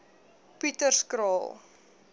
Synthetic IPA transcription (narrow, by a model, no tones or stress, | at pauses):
pitərskɾɑːlˠ